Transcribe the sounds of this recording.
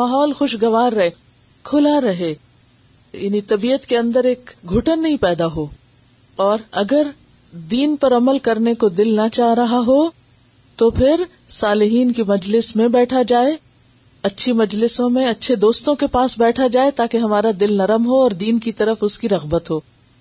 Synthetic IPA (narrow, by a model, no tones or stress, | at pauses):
maːɦɔːlxʊʃɡɐʋaːɾːɐɦe | kʰʊlaɾɐɦe | jaːnit̪ɐbiːət̪keɐ̃nd̪əɾeːkɡʱʊʈənːɐɦĩpɛːd̪aɦoː | ɔːɾɐɡəɾ | d̪iːnpɐɾɐməlkɐɾnekod̪ɪlnɐt͡ʃaːɦɾɐɦaɦo | t̪opʰɪɾ | saːlɪɦiːnkimɐd͡ʒlɪsmẽbɛːʈʰad͡ʒaːe | ɐtːʃʰimɐd͡ʒlɪsõmẽɐtːʃʰed̪oːst̪õkepaːsbɛːʈʰad͡ʒaːet̪aːkeɦɐmaːɾad̪ɪlnɐɾəmɦoɔːɾd̪iːnkit̪ɐɾəfʊskiɾɐɣbət̪ɦoː